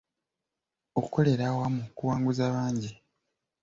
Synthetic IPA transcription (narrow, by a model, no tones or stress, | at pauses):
o̞ku̥kʰo̞le̞ɾawamukuwaːŋɡuzaβaːɲɟi